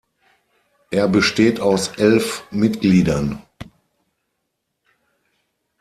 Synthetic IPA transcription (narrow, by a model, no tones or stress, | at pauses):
ʔeːɐbəʃteːtaʊsʔɛlfmɪtɡ̥liːdɐn